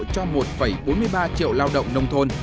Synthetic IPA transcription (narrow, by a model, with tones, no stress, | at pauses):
t͡ɕɔ˧mo˨˩t̚fə˧˩jɓo˨˦nmɨ˧əjɓaː˧t͡ɕḭ˧˨əwlaː˧wɗə̰˧˨wŋ͡mnə˧wŋ͡mt̪ʰo˧n